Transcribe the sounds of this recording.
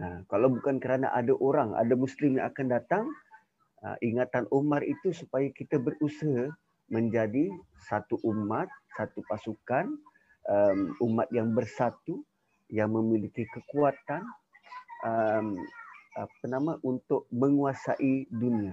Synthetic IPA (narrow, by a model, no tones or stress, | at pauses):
nakalawbukankəɾana̰ʔa̰daʔoɾaŋa̰damuslɪmjaŋakandat̪aŋ | ə̰ʔiŋat̪anʔumarit̪usupajakit̪abərusaɦa | məɲd͡ʒadi | sat̪uʔumat̪̚sat̪upasukan | əmumat̪̚jaŋbərsat̪u | jaŋməmilikikəkuat̪an | əmapənamaʔunt̪ʊʔ̚məŋuasa̰ʔidunia